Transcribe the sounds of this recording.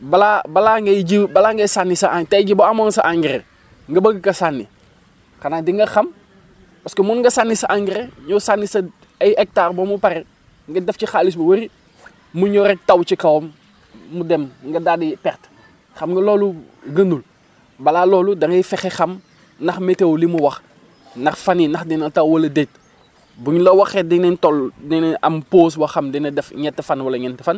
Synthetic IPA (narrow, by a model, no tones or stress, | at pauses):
balabalaŋɡeɟibalaŋɡɐjsanːisaʔaŋtaɟiboamonsaʔaŋɡiɾḛ | ŋɡɐbɐɡkasanːi | kanadiŋɡɐxam | paskomunŋɡɐsanːisaʔaŋɡiɾeɲosanːisa | ajek̚taːrbomupaɾe | ŋɡɐdeft͡ʃixalis̬bɐwɐɾi | muɲoɾek̚tawt͡ʃikawomː | udɛmŋɡɐdadipɛrt | xɐmŋɡɐlɔːlu | ɡɐnul | bɐlalɔːludɐŋɐjfɛxexɐm | nɐxmetewlimuwɐx | nɐxfaninɐxdɛnɐtawwɐlɐdet̚ | buɲlɐwɐxɛdiŋnɛntɔldiŋnɛɐ̰mpoːs̬wɐxɐmdɛnɐdɛfɲɛtːɐfanwɐlɐɲɛntəfan